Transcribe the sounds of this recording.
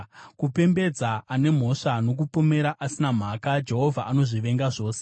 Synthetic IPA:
kupe̞mbe̞d͡zaane̞m̤o̞ʂano̞k̬upome̞ɾaʔasinam̤aːkad͡ʒe̞ɦo̞vʱaʔano̞ʐiʋe̞ŋɡaʐo̞ːse̥

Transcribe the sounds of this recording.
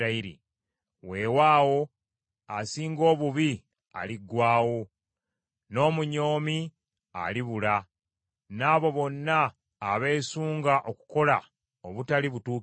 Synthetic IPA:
aiɾḭ | we̞ːwaːwo̞ | asiːŋɡo̞ːβuβi | a̰liɡwaːwo̞ | no̞ːmuɲo̞ːmi | a̰liβula | naːβo̞βo̞nːaː | βe̞ːsuːŋɡaʔoku̥ko̞la | oβutaliβutuː

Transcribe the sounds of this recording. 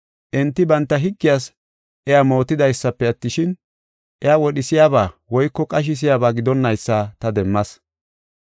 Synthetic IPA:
ʔɛnt̪ːɪbɐnt̪ːɐɦɪɡːɪjaːs | ʔɛjamo̞ːt̪ːɪd̪ɐjsːɐpːɛɐt̪ːɪʃɪn | ʔɛjawɔɗɪsɪjaːbaːwɔjkːɔkʼɐʃ̬ɪs̬ɪjaːbaːɡɪd̪ɔnːɐjsːaːt̪ɐd̪ɛmːɐs

